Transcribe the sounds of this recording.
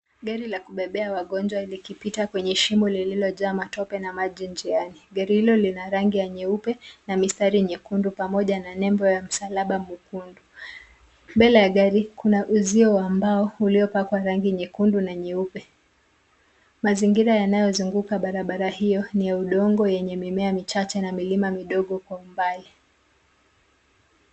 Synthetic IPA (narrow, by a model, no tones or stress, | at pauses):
ɠaɾilakuɓɛɓɛawaɠɔnd͡ʒwalikipitakwɛɲɛʃimɔlililɔzaːmatɔpɛnamaʄind͡ʒianiɠaɾihilɔlinaɾaŋɡijaɲiupɛnamistaɾiɲɛkundupamɔʄananɛmbɔjam̩salaɓamukundu | mbɛlajaɠaɾikunaʔuziɔwambaɔuliɔpakwaɾaŋɡiɲɛkundunaɲɛupɛ | maziŋɡiɾajanajɔzuŋɡukaɓaɾaɓaɾahijɔnijauɗɔŋɡɔjɛɲɛmimɛamit͡ʃat͡ʃanamilimamiɗɔɠɔkwaumbali